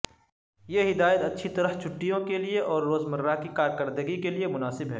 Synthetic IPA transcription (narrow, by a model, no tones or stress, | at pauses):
jeɦɪd̪aːjət̪ɐtːʃʰit̪ɐɾəɦt͡ʃʰʊʈːijõkelieʔɔːɾːoːzmɐɾːakikaːɾkɐɾd̪əɡikeliemʊnaːsɪbɦɛ̰ː